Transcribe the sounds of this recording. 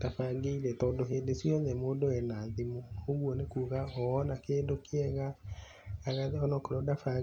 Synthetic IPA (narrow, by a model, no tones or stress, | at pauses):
d̥afaɡeiɾɛtɔːndoɦendesjɔɲɛmoːdowɛnaðemooɣwɔnekuːɣaɔɔnakeːdokeɛɣaː | ɣaɔnɔkoɾɔdafa